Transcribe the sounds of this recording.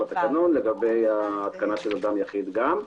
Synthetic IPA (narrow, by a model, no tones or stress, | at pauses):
bat̪akanonleɡabe̞jaːt̪kanaʃelad̪amjaχid̪ɡam